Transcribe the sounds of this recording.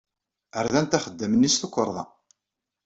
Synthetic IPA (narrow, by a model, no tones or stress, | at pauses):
əɾðænt̪æχəd̪ːəmənːisθukʷːəɾˤðˤɑ̰